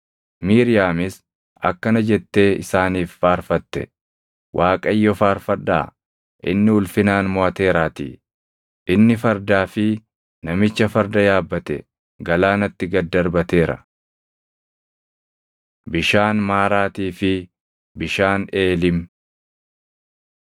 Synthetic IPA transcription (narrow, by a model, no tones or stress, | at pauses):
miːɾɪjaːmɪs | ɐ̰kːɐnɐd͡ʒɛt̪ːe̞ːɪ̰saːniːfːaːɾfɐt̪ːɛ̰ | wʔaːkʼɐjːɔfaːɾfɐd̪ːa̰ː | ʔɪ̰nːɪʊlfɪnaːnmɔɐt̪e̞ːɾaːt̪ḭː | ʔɪnːɪfɐɾd̪aːfɪ | nɐmɪt͡ʃːɐfɐɾd̪ɐjaːbːɐt̪ɛ̰ | ɡɐlaːnɐt̪ːɪɡɐd̪ːɐɾbɐt̪e̞ːɾɐ̰ | bɪʃaːnmaːɾaːt̪iːfɪ | bɪʃaːne̞ːlɪm